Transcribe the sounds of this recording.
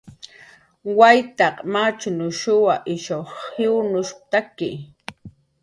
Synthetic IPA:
wajt̪aqʼmat͡ʃʊnʊʃʊwaʔɪʃohɪwnʊʃ̚t̪akɪ̰

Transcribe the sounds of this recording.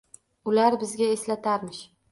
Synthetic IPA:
ʊlaɾbɪzɡʲaeslat̪aɾmɪʃ

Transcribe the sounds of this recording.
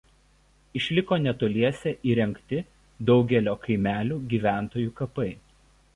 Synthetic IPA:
ɪʃʲlʲɪkoːnʲɛt̪oːlʲiɛsʲɛʔiːɾʲɛŋʲˑkt̪ʲɪ | d̪ɒʊɡʲɛlʲoːkɐɪmʲæːlʲuːɡʲiːʋʲæˑnt̪oːjuːkɐpɐɪ

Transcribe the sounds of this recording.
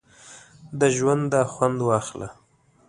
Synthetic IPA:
d̪əʒwand̪ːɑxwand̪wɑxla̰

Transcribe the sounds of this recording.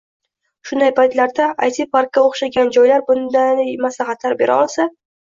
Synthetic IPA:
ʃʊnd̪ajpajt̪laɾd̪aajt̪ʰipaɾkʲːaoχʃaɡʲand͡ʒɒjlaɾbʊnd̪ajmasaχat̪ʰaɾbe̞ɾʔa̰ɒlˠsa

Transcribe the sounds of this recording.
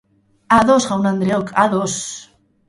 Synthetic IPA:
aðosχawnand̪ɾeokʰaðos

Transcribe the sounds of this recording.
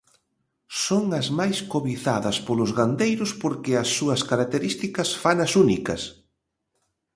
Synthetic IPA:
soŋɐzmajskoβiθaðɐspolʊzɣand̪ejɾʊspoɾkɪɐsːuɐskaɾak̚t̪eɾist̪ikɐsfanɐsunikɐs

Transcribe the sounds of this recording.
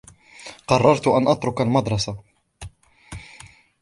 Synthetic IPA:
qɑrˤːɑɾˤt̪ʊʔanʔat̪ɾʊkalmɑd̪ɾˤɑsa

